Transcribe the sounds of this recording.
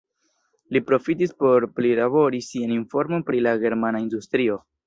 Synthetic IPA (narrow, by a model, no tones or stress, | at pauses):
lipɾo̞fitispo̞ɾplilabo̞ɾisianinfo̞ɾmo̞npɾilaɡe̞ɾmanaindustɾio̞